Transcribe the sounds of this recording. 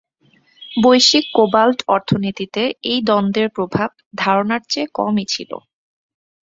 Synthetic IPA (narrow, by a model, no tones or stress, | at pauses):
bojʃikːobalʈɔɾt̪ʰonit̪it̪eejd̪ɔnd̪eɾpɾobʱab̚d̪ʱaɾonaɾt͡ɕekɔ̰mit͡ɕʰḭlo̰